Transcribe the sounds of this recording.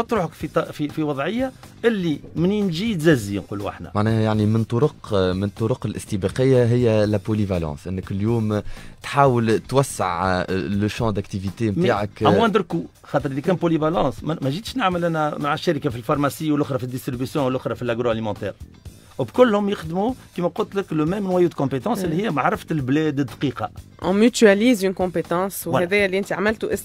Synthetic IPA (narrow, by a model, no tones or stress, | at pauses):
ɑt̪ˤɾuːħəkfit̪ɑfifiwɑðˤʕɪjːa | ʔɪlːimɪninʒit̪zæzinqṵːluʔa̰ħnæ̰maʕnɛːhjaʕnimɪnt̪ˤːoɾʊqmɪnt̪ˤːʊɾʊqəlʔɪst̪ibɑqəjːaɦɪjːælæpolivalɑ̰̃ːsʔɪnːəkljuːmt̪ħaːwəlt̪wæsːɪ̰ʕləʃɑ̃d̪ækt̪ivit̪emaːʕakæwwænd̪ɾku | xɑːt̪əɾʔlːikæːnpolivalɑ̃ːsmmæʒiːt̪ʃnɪʕməlʔænæmaʕaʃːæɾəkafilfɑɾˤmasiːwəlʔʊxɾˤɑfid̪ːɪst̪ɾibysjɔ̃wəlʔʊxɾˤɑfilʔaɡɾoalimɑ̃t̪ɛ̰ːɾ | wbkʊlːhʊmjɪxd̪mukimɛqʊlt̪ləkləmɛmnwæjuːt̪kɔ̃pet̪ɑ̃ːsɪlːihɪjːæmaʕɾˤəft̪əlblɛːd̪əd̪qiːqɑ | ʔɔ̃myt̪yæliːzynkɔ̃pet̪ɑ̃ːswwhɛðɛjæliʔɪnt̪iʕaməlt̪uʔɪs